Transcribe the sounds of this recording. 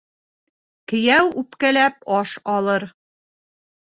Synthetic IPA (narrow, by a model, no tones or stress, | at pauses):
kɘ̆jæwʉpkælæp̚ɒʃɒlˠɤɾ